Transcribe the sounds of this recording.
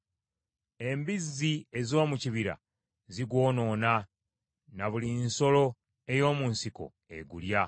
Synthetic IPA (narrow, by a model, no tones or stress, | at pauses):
e̞mbizie̞zo̞ːmuciβiɾa̰ | ziɡwo̞ːno̞ːna | naβulinso̞lo̞ | e̞jo̞ːmunsiko̞̰ | ḛɡulja